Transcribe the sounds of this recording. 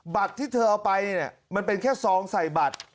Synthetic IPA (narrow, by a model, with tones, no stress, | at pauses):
ba˨˩t̪ʰːiː˥˩t̪ʰɤː˧ʔa˧wpa˧jni˥˩ni˧˩ɐma˧npe˧nkʰɛː˥˩sɔː˩˦ŋsa˨˩jba˨˩t̪̚